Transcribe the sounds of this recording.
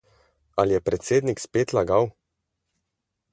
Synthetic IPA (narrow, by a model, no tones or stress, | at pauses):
aljɛpɾɛt̪seːd̪nikspeːt̪laɡaw